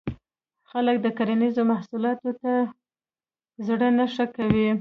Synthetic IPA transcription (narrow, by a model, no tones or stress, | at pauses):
xalək̚d̪əkaɾanizomahsulɑt̪ot̪a | zɽənaʂəkawi